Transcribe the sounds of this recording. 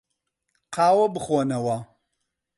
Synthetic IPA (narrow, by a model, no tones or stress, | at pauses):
qʰaːwɐbɨχoːnɐwɐ